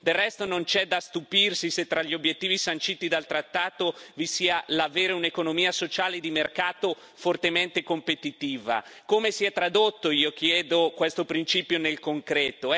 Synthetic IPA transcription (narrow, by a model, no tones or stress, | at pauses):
d̪erːɛst̪onont͡ʃɛd̪ast̪upirsiset̪ːɾaʎːiobjet̪ːiːvisant͡ʃiːt̪id̪alt̪ɾat̪ːaːt̪ovisiːalaveːɾeunekonomiːasot͡ʃaːled̪imerkaːt̪o | fort̪ement̪ekompet̪it̪iːva̰komesiɛt̪ːɾad̪ot̪ːoiːok̟jɛːd̪okwest̪opɾint͡ʃiːpjonelkoŋkɾɛːt̪o